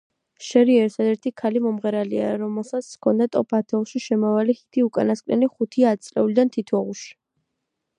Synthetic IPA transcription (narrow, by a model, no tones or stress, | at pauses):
ʃɛɾiɛɾt̪ʰad̪ɛɾt̪ʰikʰalimɔmʁɛɾalia̰ɾɔmɛlˠsat̪skʰɔnd̪at̪ʼɔpʰat̪ʰɛlˠʃiʃɛmɔvalihit̪ʰiukʼanaskʼnɛ̰liχut̪ʰiaːt̪̚sʼlɛ̰ulid̪ant̪ʰit̪ʰɔʁuʃi̥